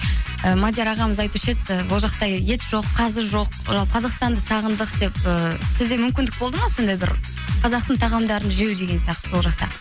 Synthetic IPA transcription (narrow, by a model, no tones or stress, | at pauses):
əmad̪ʲjeɾɑʁɑməzɑjt̪uʃet̪əwolˠʒɑqt̪ɑjje̞t̪ʒ̥o̞qːʰɑzəʒo̞qʒɑlˠqʰɑzɑqst̪ɑnd̪əsɑʁənd̪əqd̪e̞pəsɪzd̪e̞mʏmkʲɪnd̪ɪk̚bolˠd̪əmɑso̞nd̪ɑjbɪ̰ɾ | qʰɑzɑqt̪əɴt̪ʰɑʁɑmd̪ɑɾənʒewd̪e̞ɡʲe̞nsijɑq̚t̪ə̥so̞lˠʒɑq̚t̪ɑ̰